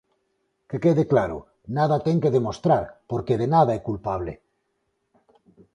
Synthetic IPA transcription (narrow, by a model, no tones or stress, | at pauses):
kekeðeklaɾo̰ | naðat̪eŋkeðemost̪ɾaɾpoɾkeðenaðaɛkulpaβle